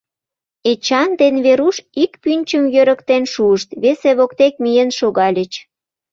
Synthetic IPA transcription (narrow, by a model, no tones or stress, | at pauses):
et͡ɕɑnd̪enβeɾuʃikpynʲt͡ɕəmjøɾəkt̪enʃuəʃt̪βeseβokt̪ek̚mijenʃoɣɑlʲət͡ɕ